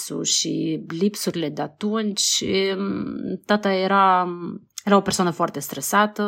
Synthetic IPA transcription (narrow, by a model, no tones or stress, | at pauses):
sṵʃilipsuɾlɛd̪at̪uɛnt͡ʃ | t̪at̪aɛɾa | ɛɾaɔpɛɾsɔnəfɔɾt̪ɛst̪ɾɛsat̪ə